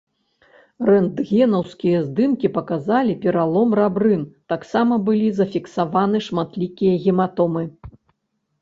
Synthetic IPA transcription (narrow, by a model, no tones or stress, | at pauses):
rɛnd̪ɣʲɛnɐwskʲijɐzd̪ɨmkʲipɐkazalʲipʲɛɾalˠɔmrabɾɨnt̪aksamɐbɨlʲizɐfʲiksavanɨʂmat̪lʲikʲijɐɣʲimat̪ɔmɨ